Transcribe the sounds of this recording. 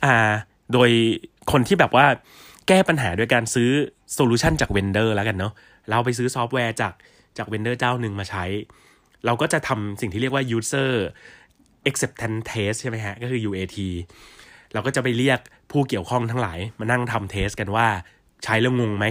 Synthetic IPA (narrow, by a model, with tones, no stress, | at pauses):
ʔaː˨˩ | doː˧j | kʰo˧nt̪ʰiː˥˩bɛː˨˩p̚waː˥˩ | kɛː˥˩pa˧nɦaː˩˦do˧jkaː˧nsɯː˦˥ | soː˧luː˧˩t͡ɕʰa˥˩nt͡ɕaː˨˩k̚we˧ndɤː˥˩lɛ˦˥ka˧nːɔ˦˥ | lwp̬a˧js̬ɯː˦˥sɔː˦˥p̚wɛː˧t͡ɕaː˨˩k̚ | t͡ɕaː˨˩k̚we˧ndɤː˥˩t͡ɕaː˥˩wnɯ˧ŋmaː˧t͡ɕʰa˦˥j | ɾa˧wkɔː˥˩t͡ɕa˨˩t̪ʰa˧msi˨˩ŋʰiː˥ɾi˥˩ək̚waː˥˩juː˧˥sɤː˥˩ | ʔe˦k̚se˨˩p̚t̪ʰɛ˧˦nt̪ʰeː˦˥st͡ɕʰa˥˩jma˦˥jkʰa˦˥ʔkɔː˥˩kʰɯː˧juː˧ʔeː˧t̪ʰiː˧ | ɾa˧wkɔː˥˩t͡ɕa˨˩p̬a˧jli˥˩ək̚ | pʰuː˥˩ki˨˩əwkʰɔ˥˩ŋt̪ʰa˦˥ŋla̰ː˩˦jmaː˧na˥˩ŋt̪ʰa˧mt̪ʰeː˦˥st̚ka˧nwaː˥˩ | t͡ɕʰa˦˥jlɯ˧ŋo˧ŋma˦˥j